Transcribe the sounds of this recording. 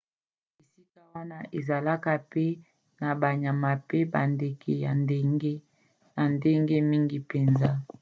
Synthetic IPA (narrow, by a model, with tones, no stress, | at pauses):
e˨si˦ka˦wa˦na˦ʔe˨za˨la˦ka˦pe˦ | na˨ba˨ɲa˨ma˨pe˦ba˨nde˨kʰe˨ja̰˨nde˦ŋɡe˦ | na˨nde˦ŋɡe˦mi˦ŋɡi˦pe˨nza˦